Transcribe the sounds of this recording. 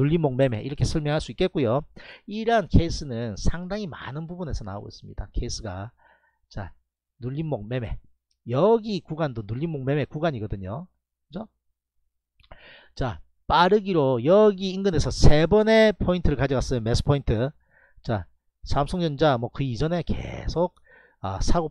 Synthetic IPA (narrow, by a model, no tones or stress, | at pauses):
nuʎːimoŋ̚me̞me̞ʔiɾʌkʰesʰʌɭmjʌŋɦaɭs͈uik͈e̞t̚k͈ujoiɾankʰe̞is͈ʰɯnɯnsʰaŋdaŋima̰nɯnbubune̞sʰʌna̰oɡo̰ḭs͈ɯmɲid̥akʰe̞is͈ʰɯɡa̰ | t͡ɕa̰ | nuʎːinmok̚me̞me̞̰ | jʌɡikuɡandonuʎːinmoŋ̚me̞me̞kuɡaɲiɡʌdɯɲo | kkɯd͡ʑo | t͡ɕa | p͈aɾɯɡiɾojʌɡiːnɡɯne̞sʰʌsʰe̞bʌne̞pʰointʰɯɾɯɭkad͡ʑʌɡas͈ɯjome̞sʰɯ̥pʰointʰɯ | t͡ɕa | sʰamsʰʌŋd͡ʑʌnd͡ʑamwʌkɯid͡ʑʌne̞kḛsʰok̚ | ʌ̰sʰaɡo